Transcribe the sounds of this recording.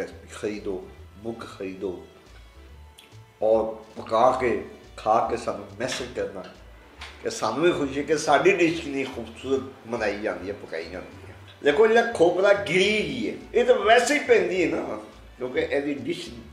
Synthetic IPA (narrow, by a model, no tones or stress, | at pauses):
ɛixʰəɾiːd̪oːbʊkxəɾiːd̪oː | ɔːɾpəkaːkeː | kʰaːkesaːnũːmɛːsɪd͡ʒkəɾnaː | kesaːnũːiːkʰʊʃiɛːkesaːɖiːɖɪʃkinẽiːxʰuːbsuːɾət̪mənaːiːd͡ʒãːnd̪iːɛːpəka̰ːiːd͡ʒã̰ːnd̪ḭːɦɛ̰ː | leːkʰoːelãːkʰoːpɾaːɡɪɾiɡiːɛːeːt̪aʋɛːseiːpɛ̃ːnd̪iːɛnaː | kjõːkeʔɛːd̪iːɖɪʃ